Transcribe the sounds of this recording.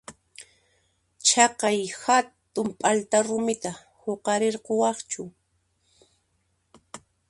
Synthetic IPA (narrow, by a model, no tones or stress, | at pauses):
t͡ʃɑqɑjhat̪ʊmpʼalt̪aɾʊmɪt̪a | hoqɑɾeɾqowɑχt͡ʃʊ